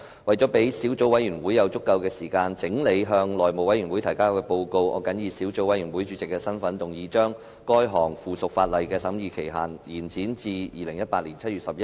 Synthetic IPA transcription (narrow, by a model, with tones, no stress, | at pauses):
wɐ˨jt͡sɔː˨˥pe˨˥jsiː˨˥wt͡so˨˥wɐ˨˥jɥyː˨˩nwuː˨˥jɐ˨˧wt͡sʊ˥kːɐ˧wkɛː˧siː˨˩kaː˧nt͡sɪ˨˥ŋle˨˧jɦœː˧ŋlɔː˨˩jmo˨wɐ˨˥jy˨˩nwu˨˥jt̪ʰjkaː˥wkɛː˧po˧wko˧wʔɔ̰ː˨˧kɐ˨˥njiː˧siː˨˥wt͡so˨˥wɐ˨˥jɥyː˨˩nwuː˨˥jt͡ʃyː˨˥t͡sɪ˨kːɛː˧sɐ˥nfɐ˨˥nt̪ʊ˨˩ŋjiː˨˥t͡ʃœː˥ŋ | kɔː˥jɦɔː˨˩ŋfuː˨˩sʊ˨k̚faː˧t̚lɐ˨jkɛː˧sɐ˨˥mjiː˨˧kʰe˨˩jɦaː˨˩njiː˨˩nt͡siː˨˥nt͡siː˧jiː˨˧lɪ˨˩ŋjɐ˥t̚paː˧t̚liː˨˩nt͡sʰɐ˥t̚yː˨t̚sɐ˨p̚jɐ˥